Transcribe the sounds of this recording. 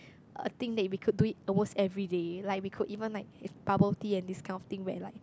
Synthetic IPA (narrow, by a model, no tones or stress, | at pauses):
ə̰t̪ĩŋdɛt̚wikʰut̚duitəmostɛvɹidelaɪk̚wikʰudivə̃nlaɪk̚pabətiɛ̃ndiskʰãɪj̃nɔft̪ĩŋwɛ̰laɪk̚